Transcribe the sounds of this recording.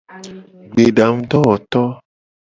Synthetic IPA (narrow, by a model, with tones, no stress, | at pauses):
ɡ͡be˨ɖa˨ŋũ˦t̪ɔ˦wɔ˨t̪ɔ˦